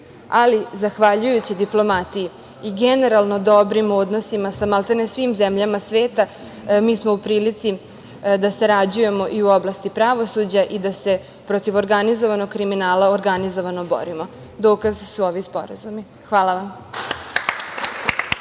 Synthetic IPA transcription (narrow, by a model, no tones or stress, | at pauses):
alizaxʋaʎujut͡ɕid̪iplˠo̞mat̪iji | iɡene̞ɾalˠnod̪o̞bɾimoːd̪no̞simasamalˠt̪enesʋiːmzemʎamasʋeːt̪a | miːsmo̞upɾiːlit̪si | d̪asaɾad͡ʑuje̞mo̞ʔiuoblˠast̪ipɾaʋo̞sud͡ʑaʔid̪ase̞ | pɾot̪iʋo̞ɾɡanizoʋano̞ɡkɾiminaːlˠaoɾɡanizo̞ʋano̞bo̞̰ɾimo̞ | d̪oːkazsuo̞ʋispo̞̰ɾa̰zumi | xʋaːlˠaʋam